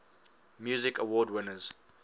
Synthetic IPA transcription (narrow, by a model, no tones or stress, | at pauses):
mjuːzɪkəwɔːdwɪnəz̥